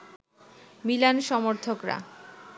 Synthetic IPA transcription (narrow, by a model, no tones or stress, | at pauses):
milanʃɔmoɾt̪ʰokɾa̰